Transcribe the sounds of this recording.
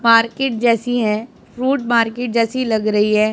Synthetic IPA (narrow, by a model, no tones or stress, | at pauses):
maːɾkeːʈ̚d͡ʒɛːsiɦɛ̃ː | fɾuːʈ̚maːɾkeːʈ̚d͡ʒɛːsilɐɡɾɐɦiɦɛː